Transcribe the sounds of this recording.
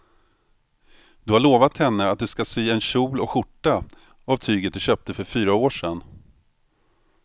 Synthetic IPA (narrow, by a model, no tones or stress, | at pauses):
d̪ɵhaɭoːvat̪hɛnːəat̪̚d̪ɵskasyːɛnɕuːlɔkɧʊʈːa | avt̪ʰyːɡət̪̚d̪ɵɕøːp̚t̪əfœɾfyːɾaoːʂɛn